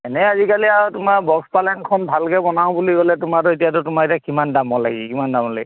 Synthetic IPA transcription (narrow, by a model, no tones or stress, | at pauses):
ɛnɛazikaliatʊmaɹbɔkspalɛnkʰɔnbʱalkɛbɔnaʊ̃buliɡɔlɛtʊmatʊetijatʊtʊmaɛtakimandamɔla̰ɡḭkimandamɔlai